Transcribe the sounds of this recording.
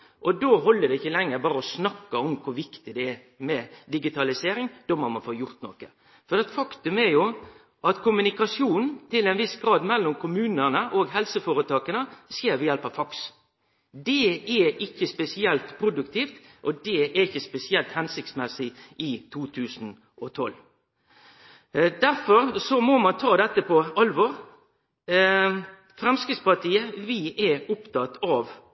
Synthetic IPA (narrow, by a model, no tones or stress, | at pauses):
ʔɔd̪oːɦɔlːəd̪ɛɪçːəlɛŋːəɾbɑːɾəɔsnɑkːɑɔmkʰʊɾʋɪkt̪ɪd̪ɛɛ | mɛd̪ɪɡɪt̪ʰɑlɪseːɾɪŋd̪̥ɔmɑnmɑnfoːjʊɾt̪nɔ̰kə | fɔdɛt̪fɑkt̪ʉmɛɾjʊ | ʔɑt̪kʰʊmʉnɪkɑsjuːnn̩t̪ɪlɛɪnʋɪsɡɾɑːd̪mɛlːɔmkʰʊmʉːnəʁnəʔoːɡɦɛlsəfoːɾət̪ʰɑːkənəseːɾʋɪjɛlpəfɑks | d̪ɛɛɪçːəspɛsɪɛlt̪pʰɾʊd̪ʉkt̪ʰiːft̪ʔɔd̪ɛæɾɪçːəspɛsɪɛlt̪hɛnsɪk̚t̪smɛsɪʔɪt̪ʰuːt̪ʰʉːsn̩ | ʔɔt̪ʰɔl | d̪æɾfɔɾsɔmɔmɑnt̪ʰɑːd̪ɛt̪ːəpʰɔɑlʋɔʁ | fɾɛmskɪspɑt̪ʰiːəʋɪʔɛʊpt̪ʰɑt̪ɑʋ